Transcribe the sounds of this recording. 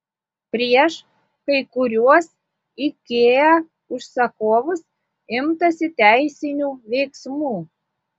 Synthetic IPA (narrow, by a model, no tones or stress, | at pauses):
pɾʲiɛʃ | kɐjkuɾʲuɔs | ikʲːejæ | uʃsɑkoβəs | ɪmt̪ɑsʲɪt̪ʲæjsʲɪnʲuβʲejksmuː